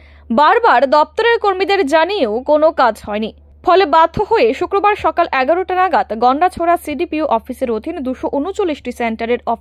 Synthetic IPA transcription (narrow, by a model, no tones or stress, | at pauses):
baɾbaɾd̪ɔp̚t̪oɾeɾkoɾmid̪eɾd͡ʑanieokonokad͡ʑɦɔeni | fɔlebad̪ʱːoɦoeʃukɾobaɾʃɔkalʔɛɡaɾoʈanaɡat̪ɡɔɳɖat͡ɕʰoɾasiɖipiuʔɔfiseɾod̪ʱind̪uʃoʔunut͡ɕolːiʃʈiseɳʈaɾeɾɔfi